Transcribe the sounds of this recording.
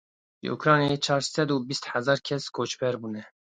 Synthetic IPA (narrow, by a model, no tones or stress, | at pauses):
ʒɨ̰ʔṵkɾɑːnijɑet͡ʃʰɑːɾsɛd̪uːbist̪ħæzɑːɾkʰɛskʰoːt͡ʃbɛɾbuːnɛ